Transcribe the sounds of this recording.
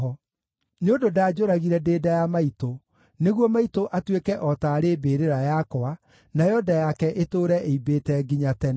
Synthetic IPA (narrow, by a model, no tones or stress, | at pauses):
ɔ | neondodaːd͡ʒoɾaɣiɾɛdeːdajamaito | neɣwɔmaitoʔatwekɛʔɔtaːɾeːbeːɾeɾajakɔa | najɔdajakɛʔetoːɾɛʔeibetɛɡiɲatɛn